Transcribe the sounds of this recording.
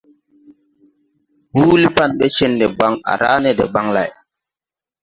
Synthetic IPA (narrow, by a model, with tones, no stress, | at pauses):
wuː˦li˦pa˦˨nɓɛ˦t͡ʃɛ˦ndɛ˨ba˦ŋa̰˨ɾaː˦nɛ˦˨dɛ̰˨ba˦ŋla̰˨j